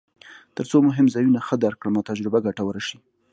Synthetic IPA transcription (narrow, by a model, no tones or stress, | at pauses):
t̪əɾt͡somʊɦɪmzɑjunaxəd̪aɾkɽamɑt̪ad͡ʒɾɪbaɡaʈawəɾaʃi